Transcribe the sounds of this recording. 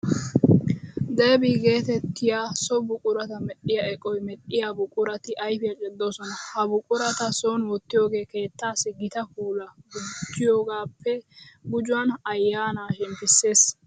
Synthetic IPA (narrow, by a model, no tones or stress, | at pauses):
d̪ɐjbiːɡe̞ːt̪ɛt̪ːɪjaːsɔbʊkʼʊɾɐt̪ɐmɛɗɪjɐɛkʼɔjmɛɗːɪjabʊkʼʊɾɐt̪ɪʔɐjfɪjɐt͡ʃʼɛd̪ːo̞ːsɔnɐhɐbʊkʼʊɾɐt̪ɐsoːnwɔt̪ːɪjo̞ːɡe̞ːke̞ːt̪ːaːsɪɡɪt̪ɐkuːlɐɡʊd͡ʒːɪjoːɡaːpʰːɛɡʊd͡ʒʊwɐnɐjːaːnaːʃɛmpːɪsːe̞ːs